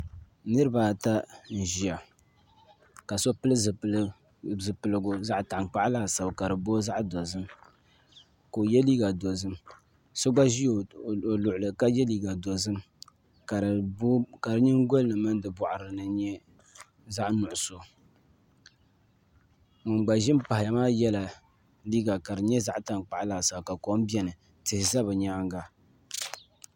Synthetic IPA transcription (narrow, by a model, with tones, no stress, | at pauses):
nɨ˦ɾɨ˦ba˨ta˦n̩˨ʒi˨a˨ | ka˨so˦pɨ˦lɨ˦˨ | zɨ˨pɨ˨lɨ˨ɡʊ˨za˦ʔta˨ʔk͡pa˦ʔlaː˦˨sa˨bka˨ɾɨ˨boː˦za˦ʔdo˨zɨ˦m | ko˨jɛ˦liː˦ɡa˨do˨zɨ˦m | so˦ɡ͡ba˦ʒi˦o˨lʊ˨ʔʊ˨lɨ˨ka˦jɛ˦liː˦ɡa˨do˨zɨ˦m | ka˨˦ka˨ɾɨ˦ɲɪ˦ŋ˦ɡo˦lnɨ˨mɨ˦n˦dɨ˨bɔ˨ʔa˨ɾɨ˨nɨ˨ɲɛ˦ | za˦ʔnʊ˨ʔʊ˨so˨ | mɨ˨mɡ͡ba˨ʒɪ˦m˦pa˨hɪ˨ja˨maː˦jɛ˦la˨ | liː˦ɡa˨ka˨dɨ˨ɲɛ˦za˦ʔta˨nk͡pa˨ʔlaː˨sa˨ka˨kɔ˦m˦bi˦ɛ˦nɨ˨ | tɨ˨hɪ˨za˦βɨ˨ɲaː˦ŋɡa˦